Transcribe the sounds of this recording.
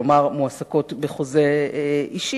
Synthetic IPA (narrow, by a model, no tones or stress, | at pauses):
maʁmuasako̞tbeχozeeʔiʃi